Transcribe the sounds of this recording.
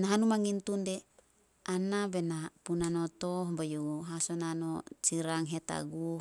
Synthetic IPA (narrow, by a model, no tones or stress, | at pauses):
naɦanumaŋintunde | anabenapunanotobajuɦasonanot͡ʃiɾaŋɦeta̰ɡu